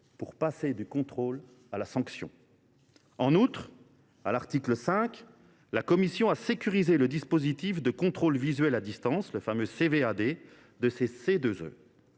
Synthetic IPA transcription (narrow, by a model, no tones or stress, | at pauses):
puʁpased̪ykɔ̃t̪χol | alasɑ̃ksjɔ̰̃ | ɑ̃nut̪χ | a̰laʁt̪ikləsɛ̃k | lakɔmisjɔ̃asekʲyʁizeləd̪ispozit̪ifd̪əkɔ̃t̪χolvizɥɛlad̪ist̪ɑ̃sləfamøsevead̪e | d̪əsesed̪øzø̰